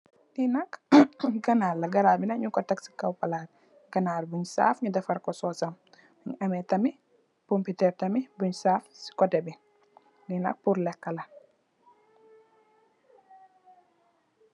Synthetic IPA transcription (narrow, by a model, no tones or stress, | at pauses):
linakɡɐnalɐɡɐɾabinaɲukɔtaksi̥kawpɐlad | ɡɐnaːlbuɲsa̰fɲudɛfɐɾkɔsɔːsɐm | ɲɐmɛtɐmi | pɔmputɛɾtɐmibuɲsafsi̥kɔdɛbin | linɐ̰k̚puɾlɛkːɐlɐ